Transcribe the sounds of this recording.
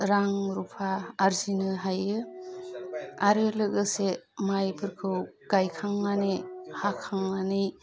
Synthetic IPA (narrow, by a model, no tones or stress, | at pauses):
ɾaŋɾupʰaːɾzinɯɦajɯ | aɾɯlɯɡɯsemajpʰɯɾkʰɯw | ɡ̥ajkʰaŋmanehakʰːaŋnanɯj